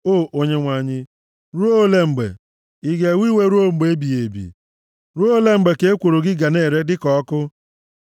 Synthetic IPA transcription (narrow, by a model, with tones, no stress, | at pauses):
o˦˨ʔo˦ɲe˦ŋʷa˨ɲɪ˦ | ɾu˦o˦le˦ŋ͡m̩˨ɡ͡bḛ˨ | i˦ɡe˨wi˦we˦ɾu˦o˦ŋ͡m̩˨ɡ͡be˨e˦bi˨je˨bḭ˨ | ɾu˦o˦le˦ŋ͡m̩˨ɡ͡be˨ke˦e˦kʷo˨ɾo˨ɡɪ˦ɡa˨ne˦˨ɾe˦dɪ˦kɔ˦kʊ˦